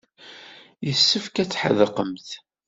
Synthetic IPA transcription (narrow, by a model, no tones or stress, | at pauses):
jəsːəfkæt͡sːħə̰ðəqəmθ